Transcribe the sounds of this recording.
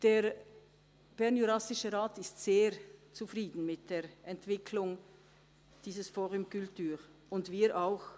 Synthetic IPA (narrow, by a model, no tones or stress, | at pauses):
d̥eːʁ | b̥ɛʁnjuʁasɪʃəʁaːtɪstz̥eːɾt͡sufʁiːdn̩mɪt̚d̥eːʁɛntv̥ɪkʰlʊŋ | d̥iːzəsfoːʁʊmkʏltyːʁ | ʊndviːɾʔaʊx